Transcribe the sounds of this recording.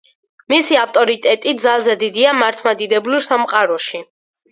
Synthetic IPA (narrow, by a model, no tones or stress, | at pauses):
misiaft̪ʼɔɾit̪ʼɛt̪ʼid̪zalˠzɛd̪id̪iamaɾt̪ʰmad̪id̪ɛbliɾsamqʼaɾɔʃi